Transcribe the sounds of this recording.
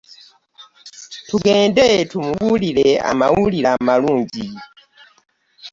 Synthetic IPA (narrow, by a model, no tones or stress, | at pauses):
tʰuɡeːndɛtʰumuwulilea̰mawulilamaluːɲɟi